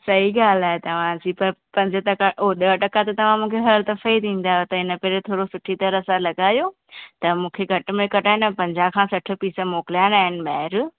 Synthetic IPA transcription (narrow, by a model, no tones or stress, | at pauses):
sɐɦiɠaːlaːɦet̪ɐʋ̤ãd͡ʑipɐɾpɐ̃ɲd͡ʑʱʈɐkaʔoːɗeəʈɐkat̪ɐt̪ɐʋ̤ãmũːkʰeɦɐɾəlt̪ɐfɐit̪ʰĩːn̆d̪aːɦjot̪ɐɪnə̆peɾet̪ʰoːɾosʊʈʰit̪ɐɾɐsãlɐɠaːjoː | t̪ɐmũːkʰeɡʱɐʈʊ̆mẽkɐʈaːɪnpɐ̃ɲd͡ʑakʰãːsɐʈʰɪ̆piːsəmoːkɪlijaːnaːɦɪnɪmaːɦɪɾ